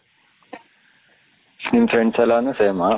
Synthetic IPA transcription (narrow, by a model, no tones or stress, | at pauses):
snimfɾeɳɖsɐlanuseːma